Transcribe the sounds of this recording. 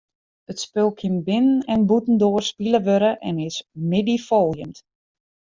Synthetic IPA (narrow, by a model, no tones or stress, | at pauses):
ətspølˠkʰɪnbɪnənɛnbutn̩doərspiləʋøɾəʔɛ̰nɪsmɪdifolˠjəmt